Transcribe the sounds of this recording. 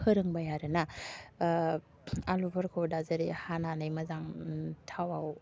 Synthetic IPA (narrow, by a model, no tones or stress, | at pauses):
hɯɾɯŋbajaɾɯna | alubʰaɾkʰɔdazɐɾehananɯjmɐzaŋtʰawaw